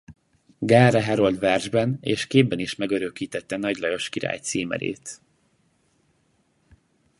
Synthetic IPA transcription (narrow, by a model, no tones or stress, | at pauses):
ɡaːrɛɦɛɾo̞lt̪ʋɛrʒbɛnḛːʃkeːbːɛniʃmɛɡøɾøkiːt̪ɛt̪ːɛnɒɟlɒjo̞ʃkiɾa̰ːjt̪siːmɛ̰ɾḛːt̪